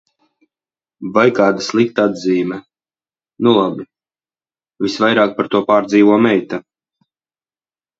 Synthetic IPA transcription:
vajkaːd̪aslˠikt̪aad̪ziːmʲɛ | nulˠabi | visvajɾaːk̚paɾt̪uɔpaːɾd̪ziːvuɔmɛjt̪a

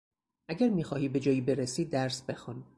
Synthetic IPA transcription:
ʔæɡæɾmiːxɒːhiːbe̞d͡ʒɒːjiːbe̞ɾesiːd̪æɾsbe̞xun

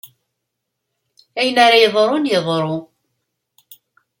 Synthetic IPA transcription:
æjənaɾajəðˤɾˤonjəðˤɾˤo

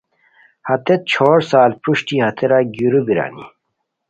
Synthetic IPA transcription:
hɐt̪et̪̚t͡ɕʰoːɾsaːlpuɕʈiɦɐt̪ʰeɾaɡuɾubiɾa̰ːnḭ

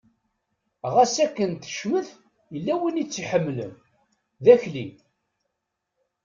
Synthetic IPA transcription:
ʁæsækːənt̪ə̥ʃməθ | jəlːæwinit͡sːiħəmːlə̰m | ðæçlḭ

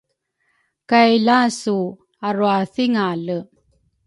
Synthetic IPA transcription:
kajlasu | aɾuaθiŋalə

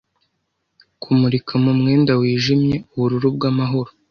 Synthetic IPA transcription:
kʰumuɾikʰamumŋe̞ːndawiːʒimɲe̞uβuɾuɾub̚ɡamaɦo̞ɾo

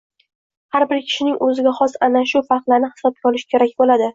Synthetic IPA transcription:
haɾbɪɾkʲʰɪ̥ʃɪnɪŋʔɵzɪɡʲaχɒsanaʃʊfaɾqlˠaɾnɪhɪ̥sɒb̚ɡʲaɒlɪʃkʲʰe̞ɾakʲbolad̪ɪ

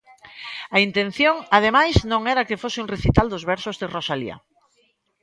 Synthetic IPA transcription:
aint̪ẽn̟θjoŋað̞emajznõŋɛɾakɪfosɪuŋreθit̪ald̪ozβɛɾsʊzðerosalḭa̰

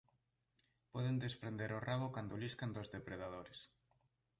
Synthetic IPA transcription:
pɔðend̪espɾend̪eɾoraβokand̪oliskand̪ozðepɾeðað̞oɾes

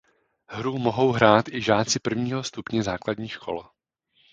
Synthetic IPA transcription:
hɾumo̞ɦo̞wɦɾaːt̪ʔɪʒaːt͡sɪpr̩vɲiːɦost̪upɲɛzaːkladɲiːʃkʰo̞̰l

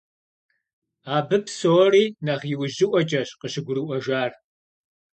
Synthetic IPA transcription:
aːbɨpsoːriːnɐʁjɪwʑɪʔʷɔt͡ʃʼɐɕqəɕɪɡʷʊɾɨʔʷɔʒaːr

